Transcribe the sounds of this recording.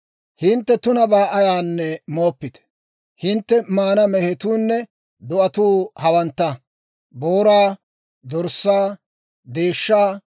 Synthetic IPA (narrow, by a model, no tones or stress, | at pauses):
hɪnt̪ːɛt̪ʊnɐbaːʔɐjaːnːɛmo̞ːpːɪt̪ɛ̥ | hɪnt̪ːɛmaːnɐmɛhɛt̪uːnːɛ | d̪ʊʔɐt̪uːhɐwɐnt̪ːɐ | boːɾaː | d̪ɔɾsːaː | d̪eːʃːaː